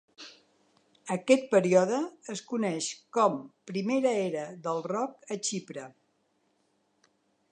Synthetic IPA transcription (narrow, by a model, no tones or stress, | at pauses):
əkɛt̪̚pəɾiɔðəːskunɛʃkɔmpɾimeɾəeɾəðəlˠrɔk̚ət͡ʃipɾə